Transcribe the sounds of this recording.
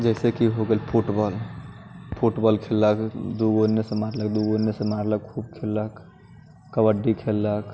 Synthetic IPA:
d͡ʒɛɪsekiɦoɡəlpʰuʈbɔːl | pʰuʈbɔːlkʰeːləkd̪uɡonesemaɾlək̚d̪uɡonesemaːɾlək̚kʰuːb̚kʰeːlək | kəʋəɖikʰelːək

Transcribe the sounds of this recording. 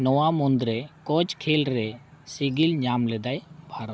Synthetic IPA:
nɔwamund̪ɾɛkɔd͡ʒkʰɛlɾɛ | siɡilɲamlɛd̪ajbʱaɾɔ

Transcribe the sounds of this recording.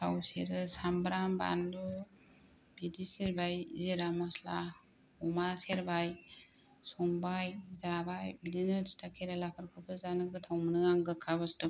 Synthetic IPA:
awsḛɾɯsambɾamba̰nlu | bidiseɾbajzeɾamɔsla̰ | umaseɾbaj | sɔŋbajzabajbidinɯɾstʰakʰeɾalakʰɯɾkʰɯpʰɯzanɯɡɯtʰawmɯnɯaŋɡɯkʰaβɯstɯ

